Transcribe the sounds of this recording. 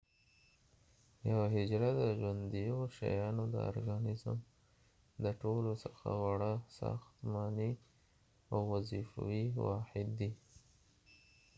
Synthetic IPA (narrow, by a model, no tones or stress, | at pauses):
jawaɦɪd͡ʒɾad̪əʒwand̪ijoʃa̰jɑnod̪ə̰o̰ɾɡɑnɪzə̰m | d̪əʈolosəxa̰waɽasɑ̰xt̪mɑni | awːazifa̰wiwɑ̰ħɪd̪ːi